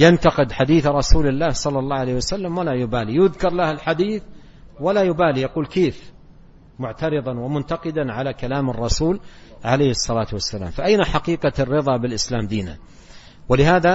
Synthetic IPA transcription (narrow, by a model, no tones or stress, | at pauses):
jant̪ɑqɪd̪ħad̪iːθɾˤɑsuːlɪlːaːhsˤɑlːɑlˤːɑːʕalejːhwasalːamwalajʊbaːlijʊðkɑɾˤlahalħad̪iːθ | walajʊbaːlijɑquːlkeːf | mʊʕt̪ɑɾɨðˤɑnwɪmʊnt̪ɑqɪd̪anʕalakalaːmɑrˤːɑsuːlʕalajhɨsˤːɑlaːt̪wasːala̰ːmfaʔajnaħaqiːqɑrːɨðˤɑbɪlʔɪslaːmd̪iːna̰ | wɪlɪhaːða